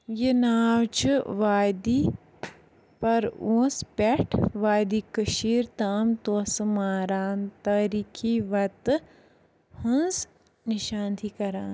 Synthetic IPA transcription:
jenaːwt͡ʃʋaːjd̪i | pɐɾõːspɛʈʰʋaːjd̪ikəʃiːɾt̪aːmt̪osmaːɾaːnt̪aɾikʰiʋɐt̪ | hɐ̃nz | niʃãːnt̪ʰikɐɾãːn

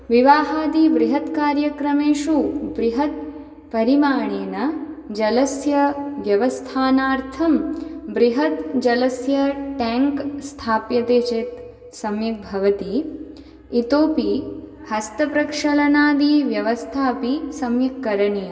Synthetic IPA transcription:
ʋiʋaːɦaːd̪ibɾiɦɐt̪kaːɾjɐkɾɐmeːʃubɾiɦɐt̪̚ | pɐɾimaːɳeːnɐd͡ʒɐlɐsjɐʋjɐʋɐst̪ʰaːnaːɾt̪ʰɐmbɾiɦɐt̪d͡ʒɐlɐsjɐʈɛːŋkst̪ʰaːpjɐt̪eːt͡ʃeːt̪ | sɐmjɐk̪̚bʱɐʋɐt̪iː | t̪oːpi | hɐst̪ɐpɾɐkʂɐlɐnaːd̪iʋjɐʋɐst̪ʰaːpisɐmjɐkːɐɾɐɳijɐ

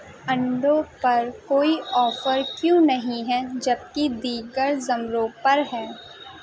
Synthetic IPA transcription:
ɐ̃ɳɖõpɐɾkoːiʔɔːfəɾkjũːnɐɦĩɦɛd͡ʒɐb̚kid̪iːɡəɾzɐmɾõːpɐɾɦɛː

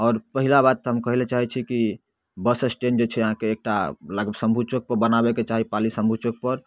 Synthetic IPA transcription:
ɔːɾpəɦilabad̪̚t̪ɦəmkəɦilet͡ʃaɦit͡ʃʰiki | bəsesʈend͡ʒet͡ʃʰɛəɦãkeːk̚ʈaləɡəbsə̃mbʱut͡ʃək̚pəɾbənabeket͡ʃaɦipalisə̃mbʱut͡ʃək̚pəɾ

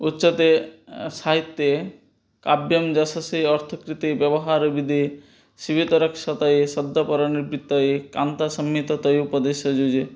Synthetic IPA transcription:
utːʃɔt̪esaɦit̪ːje | kabjɔmd͡ʒasasiɔɾt̪ʰɔkɾit̪ibjɐbɔɦaɾbid̪ʱi | ʃibit̪ɐɾəkʃat̪aesɔd̪ʱːɔpɔɾɔniɾbɾit̪ːɔekant̪asəmːit̪ɔt̪ɔjupɔd̪eʃɔd͡ʒod͡ʒe

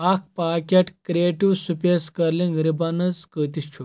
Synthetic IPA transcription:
ak̚ʰpakʲaʈkɾieʈiʋsupeskəɾlĩŋɡɾibanət͡skət̪ist͡ʃʰu

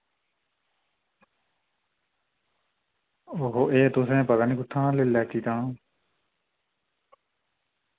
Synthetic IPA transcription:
oɦoːʔeːt̪ʊsẽːpəd̪aːniːkʊʈ̪ʰːãːlɪlːɛːt̪iːt̪ãː

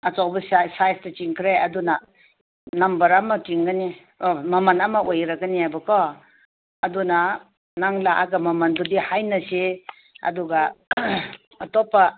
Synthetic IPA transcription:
ɐt͡ʃawbɐssajstɐt͡ʃiŋkʰɾeɐduna | nɐmbɐɾamɐtiŋɡɐni | omɐmɐnɐmɐʔojɾɐɡɐniajbɐkɔ | ɐduna | naŋlaʔaɡɐmɐmɐndudihajnɐse | ɐ̰duɡa | ɐtɔpːɐ

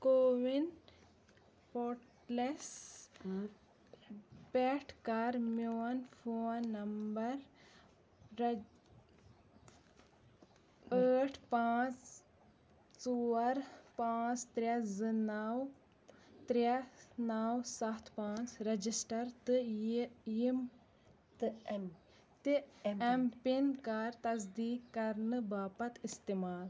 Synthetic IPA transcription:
koːʋin | poːʈ | les | peːʈʰkaɾmoːnfʰoːnːɐmbɐɾ | əːʈʰpãːt͡s | t͡suɐɾpãːt͡ʃt̪ɾʲɐzɨnaw | t̪ɾɐnaːwsɐt̪ʰpãːt͡ʃɾɐd͡ʒisʈɐɾt̪ɨ | jim | t̪ɨɛmpinkaːɾt̪ɐzd̪iːkːɐɾnɨbaːpɐt̪ist̪imaːl

